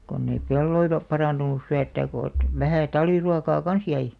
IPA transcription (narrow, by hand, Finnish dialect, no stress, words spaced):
konː ei pelːoilɑ pɑrɑˑntunus syøtːæːk ko ĕt ʋæhæˑ tɑlʋ̆iruɑkɑː kɑns jæi